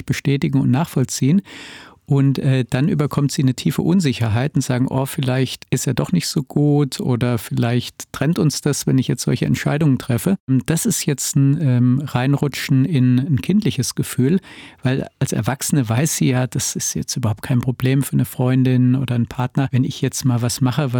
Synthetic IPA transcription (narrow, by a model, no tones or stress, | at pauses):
b̥əʃtɛːtɪɡŋ̩ʊ̰ntnaːχfɔlt͡siːənʔʊntʔɛːd̥anʔy̰ːbɐkʰɔmtz̥iːnətʰiːfə̰ʔʊnzɪçɐɦaɪtʊntz̥aːɡŋ̩ʔo̰ːfɪlaɪçtɪstjaːdɔχnɪçtz̥oːɡ̥uːtʰʔoːdɐfɪlaɪçttʁ̥ɛntʊnsd̥asvɛnɪçjɛt͡stz̥ɔ̰lçəɛ̰ntʃa̰ɪdʊŋəntʁ̥ɛfəmd̥asɪstjɛt͡stn̩ɛːmʁaɪnʁʊt͡ʃn̩ɪnnkʰɪntlɪçəsɡ̥əfyːlvaɪlalsɛɐvaksənəvaɪsz̥iːjaːd̥asɪstjɛ̰t͡stʔyːbɐhaʊp̚t̚kʰaɪnpʁ̥obleːmfyːɐnəfʁ̥ɔʏndɪnʔo̰ːdɐnpʰaɐtnɐvɛnɪçjɛt͡stmaːlvasmaχəva